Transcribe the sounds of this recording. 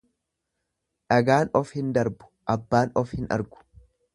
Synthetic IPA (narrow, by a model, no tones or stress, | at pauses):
ᶑɐɡaːnɔfhɪnd̪ɐɾbʊ̥ʔɐbːaːnɔfhɪnɐ̰ɾɡʊ̥